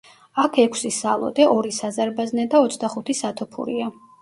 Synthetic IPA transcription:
akʰɛkʰsisa̰lˠɔ̰d̪ɛʔɔɾisazaɾbaznɛd̪aɔt̪sʰd̪aχut̪ʰisat̪ʰɔpʰṵɾia

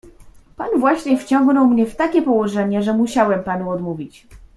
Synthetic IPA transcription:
panvwaɕɲɛft͡ɕɔ̃ŋɡnɔwmɲɛft̪akʲɛpɔwɔʐɛɲɛʐɛmuɕawɛmpanuɔd̪muvʲit͡ɕ

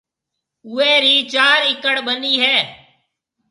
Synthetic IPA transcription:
ʊːeːɾiːt͡ʃaːɾɪkəɽbəniːɦɛː

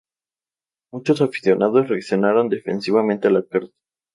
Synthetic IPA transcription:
mut͡ʃo̞safi̥sjo̞naðosreaksjo̞naɾo̞nd̪e̞fe̞nsiβamẽnt̪ealakeɾt̪o̥

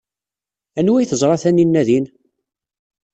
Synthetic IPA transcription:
ænwæjθəzˤɾˤɑθæninːæðin

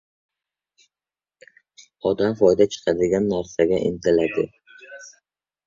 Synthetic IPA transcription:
ɒd̪amfɒjd̪at͡ʃʰɨ̥qʰɑd̪ɪɡʲanːaɾsaɡʲaʔɪ̰nt̪ʰɪlad̪ɪ

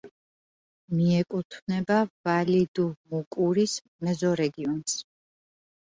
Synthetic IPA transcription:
miɛkʼut̪ʰvnɛbavalid̪umukʼuɾis | mɛzɔɾɛɡiɔns

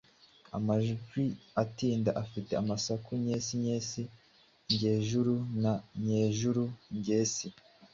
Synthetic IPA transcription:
a̰maʒɡwiatiːndaʔafite̞amasakuɲeːsiɲeːsi | ɲɟe̞ːʒuɾunaɲe̞ːʒuɾuɲɟe̞ːsi

